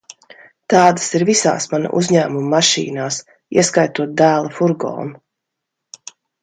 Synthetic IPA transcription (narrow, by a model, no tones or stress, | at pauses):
t̪ɑːd̪ə̥siɾvisa̰ːsmana̰ʔṵzʲɲæːmumːaʃḭːnaːs | ḭɛskajt̪uɔt̪̚d̪æːlˠafuɾɡɔ̰ːn